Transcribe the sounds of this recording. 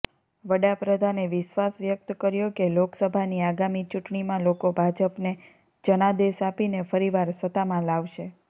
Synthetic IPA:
ʋəɽapɾəd̪ʱaneʋɪʃʋasʋjək̚t̪kəɾjokeloksəbʱaniaɡamit͡ʃuʈɳimãlokobʱad͡ʒəpne | d͡ʒənad̪eʃapinefəɾiʋaɾsət̪amãlaʋʃe

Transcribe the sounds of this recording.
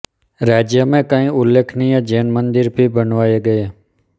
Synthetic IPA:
ɾaːd͡ʒjəmẽːkãːĩːʊlːeːkʰniːjãd͡ʒeːnmənd̪ɪɾbiːbənʋaːeːɡəeː

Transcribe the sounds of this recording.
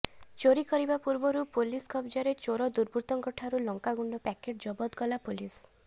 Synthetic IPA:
t͡ʃoɾikɔɾibapuɾbɔɾupuliskʰɔbd͡ʒɔɾet͡ʃoɾɔd̪uɾbʱut̪ɔŋkɔʈʰaɾulɔŋkaɡuɳɖɔpɛkeʈ̚d͡ʒɔbɔt̪ɡɔlapulis

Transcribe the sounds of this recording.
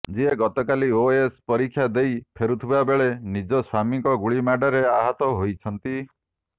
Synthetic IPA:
d͡ʒieɡɔt̪ɔkalioespɔɾikʰːjad̪ejpʰeɾut̪ʰibabeɭenid͡ʒɔswamikɔɡuɭimaɖaɾeaɦɔt̪ɔɦojt͡ʃʰɔnt̪i

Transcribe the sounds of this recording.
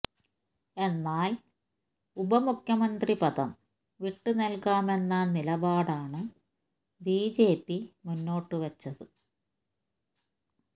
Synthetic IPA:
e̞nːaːl | ubɐmukʰjɐmɐnd̪ripɐðɐm | ʋiʈːɨnɐlkaːme̞nːɐnilɐbaːɽaːɳɨ | biːd͡ʑe̞ːpːimunːo̞ːʈːɨʋɐt͡ɕːɐðɨ

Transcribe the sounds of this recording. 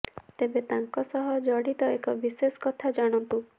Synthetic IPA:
t̪ebet̪aŋkɔsɔɦɔd͡ʒɔɽit̪ɔekɔbisesɔ̥kɔt̪ʰad͡ʒaɽ̃ɔnt̪u

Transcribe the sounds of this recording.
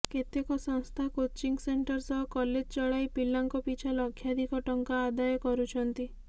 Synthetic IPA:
ket̪ekɔsɔŋst̪ʰakot͡ʃiŋɡseɳʈɔɾsɔɦɔkɔled͡ʒt͡ʃɔɭajpilːaŋkɔpit͡ʃʰalɔkʰːjad̪ʱikɔʈɔŋkaːd̪ajɔkɔɾut͡ʃʰɔnt̪i

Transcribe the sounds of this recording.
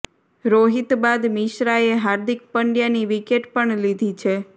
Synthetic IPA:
ɾoɦit̪bad̪miʃɾaeɦaɾd̪ik̚pəɳɖjaniʋikeʈpəɳlid̪ʱit͡ʃʰe

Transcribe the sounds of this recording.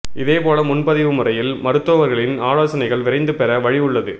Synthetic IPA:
ɪðeːpoːlɐmʊnpɐðɪʋɯmʊrɐjɪlmɐɾɯt̪ːoːʋɐɾɣɐɭɪnaːloːsɐnɐɪɣɐɭʋɪrɐɪnd̪ɯpɛɾɐʋɐɻɪɯɭːɐðɯ

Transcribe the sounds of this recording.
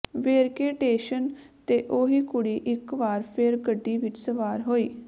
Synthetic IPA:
ʋeːɾkeːʈeːʃənt̪eːʔoːɦiːkʊɽiːʔɪkʋaːɾpʰɪɾɡəɖːiːʋɪt͡ʃsəʋaːɾɦoːiː

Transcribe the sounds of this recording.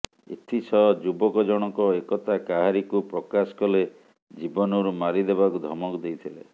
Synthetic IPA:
ḛt̪ʰit͡ʃʰɔd͡ʒubɔkɔd͡ʒɔɽ̃ɔkɔekɔt̪akaɦaɾikupɾɔkasɔ̥kɔle | d͡ʒibɔnɔɾumaɾid̪eβakud̪ʱɔmɔkɔd̪ejt̪ʰilḛ

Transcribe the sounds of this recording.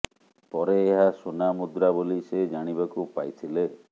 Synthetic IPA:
pɔɾeːɦasonamud̪ɾabolised͡ʒaɽ̃ibakupa̰jt̪ʰile

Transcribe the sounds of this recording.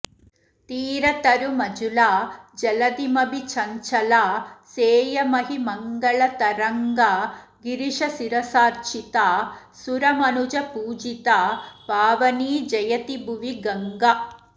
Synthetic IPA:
t̪iːɾɐt̪ɐɾumɐd͡ʒulaːd͡ʒɐlɐd̪imɐbit͡ʃʰɐɲt͡ʃɐlaːseːjɐmɐɦimɐŋɡɐɭɐt̪ɐɾɐŋɡa | ɡiɾiʂɐsiɾɐsaːɾt͡ʃit̪aː | suɾɐmɐnud͡ʒɐpuːd͡ʒit̪aːpaːʋɐniːd͡ʒɐjɐt̪ibuʋiɡɐŋɡa

